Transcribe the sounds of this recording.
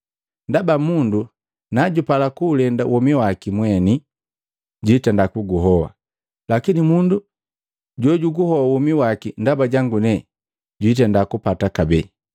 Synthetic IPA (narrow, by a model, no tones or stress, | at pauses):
ndabamundu | naɟupalakuːlɛnda̰wɔmiwakimwɛni | ɟitɛndakuɡuɦɔwa̰ | lakinimundu | ɟɔɟuɡuhɔwawɔmiwakindabaɟaŋɡunɛ | ɟuit̬ɛndakupatakabɛ